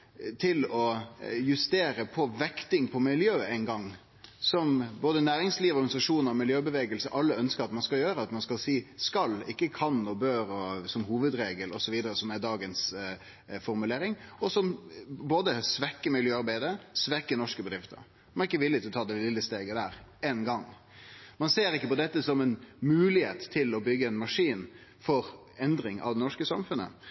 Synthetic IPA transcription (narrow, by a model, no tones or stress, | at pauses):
t̪ʰɪlɔjʉst̪eːɾəpʰɔʋɛkt̪ɪŋpʰɔmɪljøːæɪnɡɑŋː | sɔmboːd̪ənæːɾɪŋsliːʋəɔɾɡɑnɪsɑʂuːnəɾɔmɪljøːbəʋeːɡəlsəʔɑlːəœnskəɾɑt̪mɑnskɑljøːɾəɑt̪mɑnskɑlsiːskɑlɪkːəkʰɑnɔbøːɾɔsɔmhuːʋəd̪ɾeːɡəlɔsɔʋiːd̪əɾəsɔmæɾd̪ɑːɡəns | fɔɾmʉleːɾɪŋɔsɔmboːd̪əsʋɛkːəmɪljøːɑɾbæɪd̪əsʋɛkːənɔʂkəbəd̪ɾɪft̪ə̰ɾ | ɛʁɪkːəʋɪlːɪt̪ɪlɔt̪ʰɑːd̪ɛllɪlːəst̪eːɡəd̪æːɾɛnɡɑŋː | mɑnseːɾɪkːəpɔd̪ɛt̪ːəsɔmɛnmʉːlɪheːt̪ʰːɪlɔbʏɡːəɛnmɑʂiːn | fɔɾ | ɛnd̪ɾɪŋʔɑ̰ʋd̪ɛnɔʂkəsɑmfʉnə̰